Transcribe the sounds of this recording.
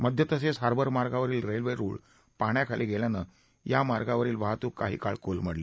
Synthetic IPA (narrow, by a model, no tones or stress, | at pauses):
məd̪ʱjət̪əsesɦaɾbəɾmaɾɡaʋəɾiːlɾelʋeɾṵːɭ | paɳjakʰalʔiɡʱeljana | jamaɾɡaʋəɾiːlʋaɦt̪uːkːaɦḭːkaɭkolm̤əɽli